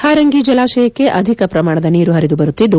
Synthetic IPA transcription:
haːɾɐŋɡid͡ʒɐlaːʃɐjɐkːe̞ʔɐd̪ʱikɐpɾɐmaːɳ̃ɐd̪ɐniːɾuɦɐɾid̪ubɐɾut̪ːid̪ːu

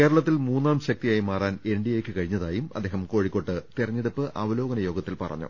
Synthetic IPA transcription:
keːɾɐɭɐt̪ːilmuːnːaːmɕɐk̚t̪ijaːjimaːraːne̞ɳɖijekʲːɨkɐɻiɲːɐðaːjumɐ̰d̪ʱːeːɦɐmko̞ːɻikːo̞ʈːɨt̪irɐɲːeɽupːɨʔʔɐʋɐlo̞ːɡɐnɐjo̞ːɡɐt̪ːilpɐ̰rɐ̰ɲːṵ

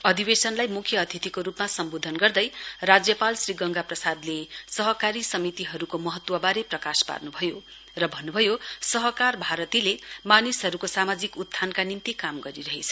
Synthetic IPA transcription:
ʌd̪ibesʌnlajmukʰːjʌːt̪ʰit̪ikoɾupmasʌmbod̪ʱʌnɡʌrd̪ʌjrad͡zjʌpalsriɡʌŋɡaprʌsad̪lesʌɦʌkaɾisʌmit̪iɦʌɾukomʌɦʌt̪wʌbaɾeprʌkaspa̰rnubʱʌjo | rʌbʱʌnːubʱʌjosʌɦʌkarbʱaɾʌt̪ilemanisɦʌɾukosamad͡zikud̪ːʱʰankanint̪ikamɡʌɾiɾʌɦet͡sʰʌ̥

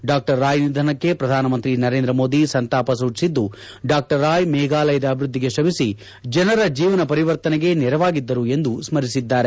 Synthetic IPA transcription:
ɖaːk̚ʈɐɾːaːjnid̪ʱɐnɐkːe̞pɾɐd̪ʱaːnɐmɐnt̪ɾinɐɾe̞ːnd̪ɾɐmo̞ːd̪isɐnt̪aːpɐs̬uːt͡ʃsid̪ːu | ɖaːk̚ʈɐɾːaːjmɛːɡaːlɐjɐd̪ɐːbʱɾud̪ʱːiɡe̞ʃɐbisi | d͡ʒɐnɐɾɐd͡ʒiːʋɐnɐpɐɾiʋɐɾt̪ɐnɛɡe̞nɛɾɐʋaːɡid̪ːɐɾue̞nd̪usmɐɾisid̪ːaːɾe

